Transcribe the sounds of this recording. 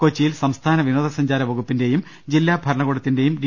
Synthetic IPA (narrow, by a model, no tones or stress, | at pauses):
kot͡ɕːijilsɐmst̪ʰaːnɐʋinoːd̪ɐsɐɲd͡ʑaːɾɐʋɐɣupːinde̞jum | d͡ʑilːaːbʱɐɾɐɳɐɣuɽɐt̪ːinde̞jumɾi